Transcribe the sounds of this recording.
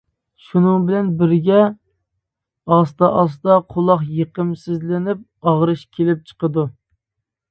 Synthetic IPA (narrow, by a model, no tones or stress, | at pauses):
ʃunɨŋbɪlɛnbɪɾɡʲɛ | ɑst̪ɑʔɑst̪ɑqʰolˠɑχjeqəmsɪzlɪnɪp̚ɑʁɾɨʃkʲʰelɪp̚t͡ʃʰə̥qəd̪u